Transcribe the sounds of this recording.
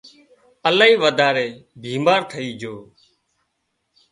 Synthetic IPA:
əlaːiːʋəd̪ʱaːɾeːbʱiːmaːɾʈʰəiːd͡ʒoː

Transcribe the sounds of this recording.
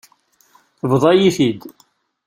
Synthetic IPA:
θəvðˤɑjiθid̪

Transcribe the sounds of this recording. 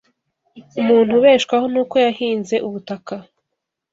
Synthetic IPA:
umuːn̥huβe̞ːʃkwaho̞nuːko̞jahiːnze̞ʔuβutaka

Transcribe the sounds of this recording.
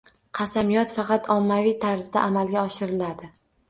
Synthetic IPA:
qʰɑsamijɒt̪fɑqʰɑt̪ʰɒmːavijt̪ʰaɾzd̪a̰ʔamalɡʲaɒʃɪɾɪlad̪ɪ

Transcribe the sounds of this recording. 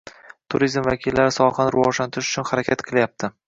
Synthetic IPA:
t̪ʰʊɾizmvakʲʰɪlːaɾɪsɒχɑnɾɪvɒʒlant̪ʰɪɾɪʃʊt͡ʃʰʊnhaɾakʲʰat̪qʰɨlˠjap̚t̪ʰɪ

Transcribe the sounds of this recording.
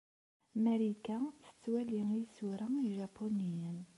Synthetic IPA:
mæɾikæt͡sːə̥t͡sːwæliŋisuɾaiʒɑpʰːonijən

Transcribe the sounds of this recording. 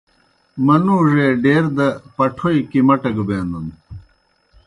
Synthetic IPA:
mɐnuːʐeːɖeːɾd̪ɐpɐʈʰoikimɐʈɐɡbeːnd̪un

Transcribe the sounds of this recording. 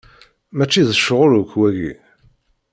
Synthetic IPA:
mæt͡ʃːiðəʃʁʊɾukwæʝḭ

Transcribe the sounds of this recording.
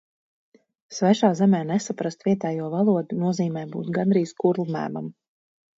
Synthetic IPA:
svɛʃaːzɛmɛːnɛsapɾast̪vʲiɛt̪ɛːjuɔvalˠuɔd̪unuɔziːmɛːjbṵːt̪ɡand̪ɾiːzkuɾlˠmæ̰ːma̰m

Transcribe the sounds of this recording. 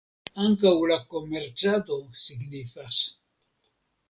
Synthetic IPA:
aŋkawlako̞meɾt͡ʃat̪o̞siɡnifas

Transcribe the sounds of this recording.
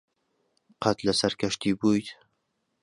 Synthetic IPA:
qʰɑt̪lasaɾkʲʰaʃt̪ʰibojd̪

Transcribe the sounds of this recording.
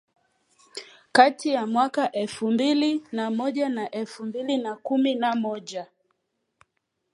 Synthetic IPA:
katijamwakaʔɛlfumbilinamɔʄanaʔɛlfumbilinakuminamɔʄa

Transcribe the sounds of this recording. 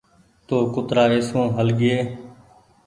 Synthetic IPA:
t̪oːkʊt̪ɾaːɪsõːɦəlɡɪeː

